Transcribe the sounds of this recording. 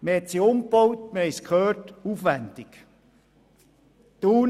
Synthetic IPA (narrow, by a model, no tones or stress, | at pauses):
məhɛt̪siʊmkb̥owtməhɛskʰχøːtuːfʋændɪk | tuːn